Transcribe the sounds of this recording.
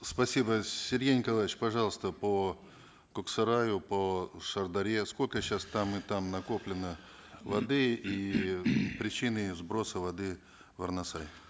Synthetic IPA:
spɐsʲibəsʲɪrʲɡʲejnʲɪkɐlˠaɪt͡ɕpɐʐɑlˠəst̪əpə | kʊksɐɾajʊpəʂərd̪ɐɾʲesko̞lʲkəɕast̪amɨt̪amnɐko̞plʲɪnɨ | vɐd̪ɨi | pɾʲɪt͡ɕinɨzbɾo̞səvɐd̪ɨ | vɐrnɐsaj

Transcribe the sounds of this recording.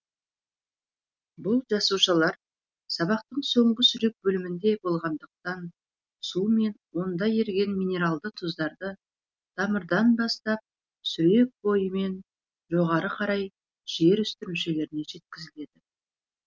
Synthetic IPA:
bʊlˠʒɑsuʃəlˠɑɾ | sɑβɑqt̪əɴso̞ɴʁəsʏɾe̞k̚bɵlɪmɪnd̪e̞bo̞lˠʁɑnd̪əq̚t̪ɑn | sume̞nwo̞nd̪ɑje̞ɾɡʲe̞nmijne̞ɾalˠd̪ət̪ʰʊzd̪ɑɾd̪ə | t̪ʰɑməɾd̪ɑnbɑst̪ɑp̚ | sʏɾe̞k̚bo̞jəme̞n | ʒo̞ʁɑɾəqʰɑɾɑj | ʒ̥e̞ɾʏst̪ɪɾmɪʃe̞le̞ɾɪne̞ʒe̞t̪̚kʲɪzɪle̞d̪ɪ

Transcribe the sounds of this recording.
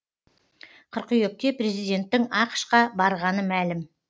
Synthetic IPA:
qʰʊɾqʏjek̚k̪ʲe̞pre̞zijd̪ʲe̞nt̪ːɪŋɑqə̥ʃqɑbɑɾʁɑnəmælɪm

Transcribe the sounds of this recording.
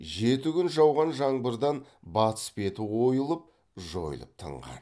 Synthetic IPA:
ʒe̞t̪ɪɡʲʏnʒɑwʁɑnʒɑɴbəɾd̪ɑnbɑt̪ə̥spe̞t̪ɪwo̞jəlˠəp̚ | ʒo̞̰j̰lˠə̰p̚t̪ʰə̰ɴʁɑ̰n

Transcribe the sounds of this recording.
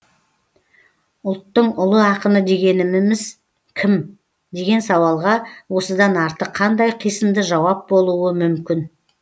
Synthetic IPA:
ʊlˠt̪ːəɴʊlˠəɑqənəd̪e̞ɡʲe̞nɪmɪmɪz | kʲʰɪm | d̪e̞ɡʲe̞nsɑwɑlˠʁɑwo̞səd̪ɑnɑɾt̪əqʰːɑnd̪ɑjqʰijsəmd̪əʒɑwɑp̚bo̞lˠuəmʏmkʲɪn

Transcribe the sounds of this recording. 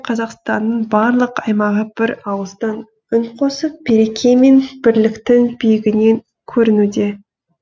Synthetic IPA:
qʰɑzɑqst̪ɑnːəɴbɑɾlˠəqɑjmɑʁəb̥ɪɾɑwəzd̪ɑn | ʏɴqʰo̞səp̚b̥e̞ɾe̞kʲʰe̞jme̞nb̥ɪɾlɪkt̪ɪŋbijɪɡʲɪne̞ŋ | kʲʰɵɾɪnud̪e̞

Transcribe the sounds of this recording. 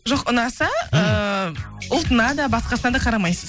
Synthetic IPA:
ʒo̞qʊnɑsɑə | ʊlˠt̪ənɑd̪ɑbɑsqɑsənɑd̪ɑqʰɑɾɑmɑjsəz

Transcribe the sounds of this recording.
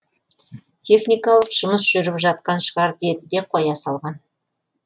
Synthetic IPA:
t̪ʲʰe̞χnijkɑlˠəqʒ̥ʊməs̬ʒ̥ʏɾɪpʒɑt̪̚qɑnʃəʁɑɾd̪e̞t̪ɪd̪e̞qʰojɑsɑlˠʁɑn

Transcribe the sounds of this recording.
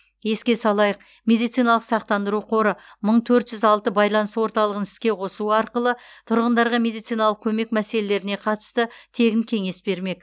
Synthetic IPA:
je̞skʲe̞sɑlˠɑjəq̚ | mʲe̞d̪ijt̪sijnɑlˠəqsɑq̚t̪ɑnd̪əɾuqʰo̞ɾə | məɴt̪ʰɵɾt̪ʒ̥ʏzɑlˠt̪əbɑjlˠɑnəswo̞ɾt̪ɑlˠəʁənɪ̥skʲe̞qʰo̞suəɑɾqəlˠət̪ʰʊɾʁənd̪ɑɾʁɑme̞d̪ijt̪sijnɑlˠəq̚kʲʰɵme̞kmæse̞le̞le̞ɾɪne̞qʰɑt̪ə̥st̪ət̪ʰe̞ɡʲɪŋkʲʰe̞ŋe̞sbe̞ɾme̞k

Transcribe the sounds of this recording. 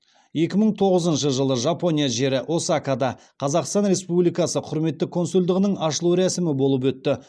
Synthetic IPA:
je̞kʲɪməɴt̪ʰo̞ʁəzənʃəʒəlˠəʒapo̞nʲijaʒe̞ɾɪʔo̞sakad̪ɑ | qʰɑzɑqst̪ɑnɾe̞spublijkɑsəqʰʊɾme̞t̪ːɪkʰo̞nsulʲd̪ɪʁɪnəɴɑʃəlˠuɾæsɪmɪbo̞lˠəp̬wɵt̪ːɪ

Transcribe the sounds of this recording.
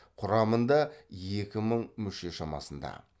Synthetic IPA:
qʰʊɾɑmənd̪ɑje̞kʲɪməɴmʏʃe̞ʃɑmɑ̰sənd̪ɑ̰

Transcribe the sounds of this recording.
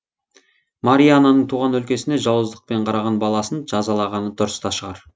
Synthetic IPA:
maɾijananəɴt̪ʰuʁɑnwɵlkʲe̞sɪne̞ʒɑwəzd̪əq̚pe̞ɴqʰɑɾɑʁɑnbɑlˠɑsənʒ̥ɑzɑlˠɑʁɑnd̪ʊɾəst̪ɑʃəʁɑ̰ɾ

